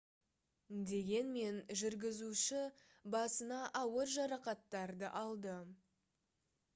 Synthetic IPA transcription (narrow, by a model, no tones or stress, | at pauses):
d̪e̞ɡʲe̞nme̞nʒʏɾɡʲɪzuʃɪ | bɑsənɑʔɑwəɾʒɑɾɑqɑt̪ːɑɾd̪əʔɑlˠd̪ə